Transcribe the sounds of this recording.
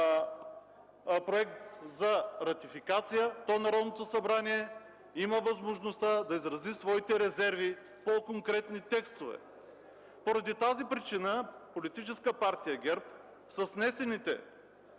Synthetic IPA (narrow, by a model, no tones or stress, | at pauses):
pɾoɛkt̪zɐɾɐt̪ifikat̪sijət̪ɔnɐɾɔd̪not̪osɐbɾaniɛ | imɐvɐzmoʒnost̪ad̪ɐizɾɐzisvɔit̪ɛɾɛzɛɾvi | pokoŋkɾɛt̪nit̪ɛkst̪ovɛ̰ | poɾɐd̪it̪azipɾit͡ʃinəpolit̪it͡ʃɛskəpaɾt̪ijɐɡʲɛɾp̚ | sɐsnɛsɛnit̪ɛ̰